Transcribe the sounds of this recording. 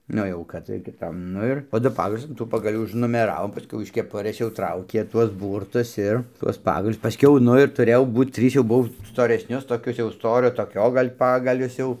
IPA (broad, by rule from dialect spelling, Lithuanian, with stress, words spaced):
ˈnʊ jɛʊ kɐt kʲɪˈtɐm ˈnʊ ɪr poː ˈdʊ ˈpɑːɡɐlʲʊs ɐn ˈtuː pɐɡɐˈlʲuː ʊʒnʊmʲɛˈrɑːʋoːm pɐˈsʲkʲɛʊ ɪʃ kʲɛˈpʊrɘs jɛʊ ˈtrɐʊkʲeː ˈtuɔs ˈbuːrtʊs ˈɪr tuɔs ˈpɑːɡɐlʲʊs pɐˈsʲkʲɛʊ ˈnʊ ɪr tʊˈrʲeːjɛʊ ˈbuːt ˈtʲrʲiːs jɛʊ ˈbʊw stoːrʲɛsʲˈnʲʊs toːˈkʲʊs jɛʊ ˈstoːrʲoː toːˈkʲoː ˈɡɐlʲ ˈpɑːɡɐlʲʊs jɛʊ